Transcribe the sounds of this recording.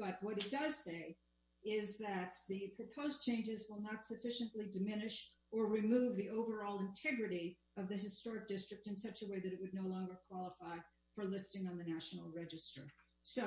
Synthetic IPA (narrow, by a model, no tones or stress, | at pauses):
b̥ʌt̚wʌɾɨt̚d̥ʌz̥seɪ | ɪzðɨt̪̚ðɨpʰɹ̥ɨpʰoʊzt͡ʃʰẽɪ̃nd͡ʒɨzwəlˠnətsɨfɪʃɨ̃nʔlidɨmɪ̃nɨʃ | ə˞ɹɨmuvðiʔoʊvə˞ɔlˠə̃ntʰɛɡɹɨɾi | ʌvðɨɨstɔɹɨk̚d̥ɪstɹ̥ɨk̚tɨ̃nsʌt͡ʃɨweɪðɨɾɨʔ̚wɨdⁿnoʊlɔ̃ŋɡə˞kʰw̥ɑlˠəfaɪ | fə˞lɪstɪ̃ŋə̃nðɨnæʃn̩l̩ˠɹɛd͡ʒɨstə̰˞ | so